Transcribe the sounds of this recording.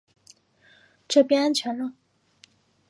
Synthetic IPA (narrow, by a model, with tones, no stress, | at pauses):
ʈ͡ʂɤ˥˩pjɛ˥na˥nt͡ɕʰɥɛ˧˥nlə˧